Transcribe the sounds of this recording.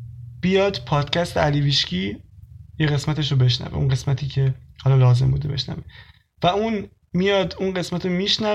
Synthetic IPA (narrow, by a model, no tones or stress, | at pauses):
b̥ijɒːd̪̥pʰɒːd̪̥cʰæst̪ʰeæliːviːʃcʰiːjeɣe̞smæt̪ʰe̞ʃ̬ɾobe̞ʃnæ̰vḛṵnɢe̞smæt̪ʰiːcʰe̞hɒlɒːlɒːze̞mbud̪ebe̞̰ʃnæ̰ve | væuːn | mijɒːd̪unɢe̞smæt̪ʰomiːʃnæ